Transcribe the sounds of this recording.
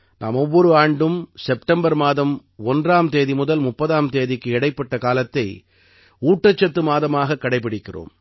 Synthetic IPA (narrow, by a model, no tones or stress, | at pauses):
na̰ːmɔʋːɔɾɯaːɳɖɯmsɛp̚ʈɐmbɐɾmaːðɐm | ɔndraːmt̪eːðimʊðɐlmʊpːɐðaːmt̪eːðɪkːɯɛɽɐɪpːɐʈːɐkaːlɐt̪ːɐɪ | uːʈːɐt͡ʃːɐt̪ːɯmaːðɐmaːɣɐkːɐɽɐɪp̬ːɪɽɪkːɪro̰ːm